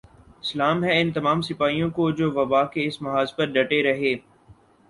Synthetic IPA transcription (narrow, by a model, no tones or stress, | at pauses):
ɪslaːmɦɛɪnt̪ɐmaːmsɪpaːijõkod͡ʒoːʋɐbaːkeɪsmɐɦaːzpɐɾɖɐʈeɾɐɦeː